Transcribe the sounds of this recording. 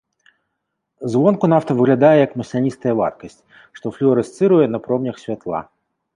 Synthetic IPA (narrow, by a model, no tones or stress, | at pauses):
zvɔnkunawt̪ɐvɨɣlʲad̪ajɛjɐkmɐsʲjanʲist̪ɐjɐva̰t̪̚kɐsʲt͡sʲ | ʂt̪ɔflʲɔɾɨst̪sɨɾujɛnɐpɾɔmnʲɐxsʲvʲat̪lˠa̰